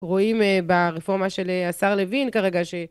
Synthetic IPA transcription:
ʁoimbaʁefo̞ʁmaʃeleasaʁlevinkaʁeɡaʃe̞

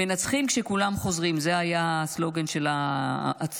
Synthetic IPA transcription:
enat͡sχimkʃe̞kulamχo̞zʁimzeajaslo̞ɡe̞nʃe̞laː | t͡s

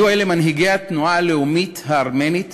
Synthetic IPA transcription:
uaelemanɦiɡejat̪nualeumit̪haːʁmenit̪

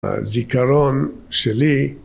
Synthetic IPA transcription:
zikaɾonʃeli

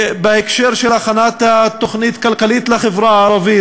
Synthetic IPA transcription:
beekʃeʁʃelaχanat̪at̪ːoχnit̪kalkalit̪leχevɾaaːɾavi

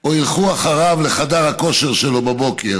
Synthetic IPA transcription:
oilχuaχaʁavle̞χad̪aʁhako̞ʃe̞ʁʃelo̞babo̞ke̞ʁ

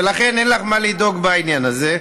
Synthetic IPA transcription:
elaχe̞nenlaχmalido̞ɡbainjanaze̞

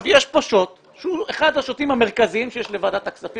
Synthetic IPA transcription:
vjeʃpaʃo̞t̪ | ʃeueχad̪haʃot̪imhame̞ʁ̞kaziimʃejeʃle̞vad̪at̪aksafi

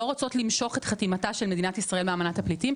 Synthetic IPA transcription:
oʁot͡so̞tlimʃo̞χe̞tχatimataʃe̞lmeinatisʁaelmeaːmanathaplitim

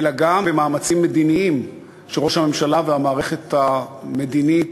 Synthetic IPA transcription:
elaɡambemaːmat͡simːe̞d̪iniim | ʃeʁo̞ʃhame̞mʃalaveamaːʁe̞χe̞t̪ame̞d̪init

